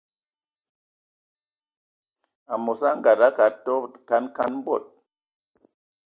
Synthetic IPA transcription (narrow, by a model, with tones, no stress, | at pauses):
a˨mo˨sa˦ŋɡa˨ɾa˦ka˨to˦˨ka˦nka˦nm˦bo˦˨t̚